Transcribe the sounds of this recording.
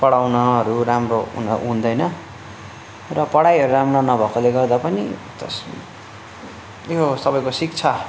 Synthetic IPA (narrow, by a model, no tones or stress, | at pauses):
pʌɽawnʌɦʌɾuɾamrounʌɦũnd̪ʌjnʌ | rʌpʌɽaiɦʌɾuɾamnanʌbʱʌkoleɡʌrd̪apʌnit̪ʌ̰s | josʌbʌjkosik̚t͡sʰa